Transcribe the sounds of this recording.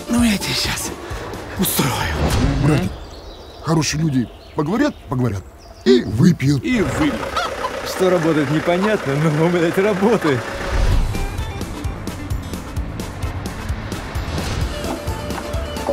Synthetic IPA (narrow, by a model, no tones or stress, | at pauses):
nojatʲɪeɕas | ʊst̪ɾojʊ̰bɾaɪ | xɐɾo̞ʂɨjəlʲudʲɪ | pəɡəvɐɾʲat̪̚pəɡəvɐɾʲa̰t̪̚ | ivɨpʲɪjɪlivɨpʲʂt̪oɾɐbo̞t̪əjɪt̪nʲɪpɐnʲat̪nənonomɨd̪at̪ʲrɐbot̪ɨ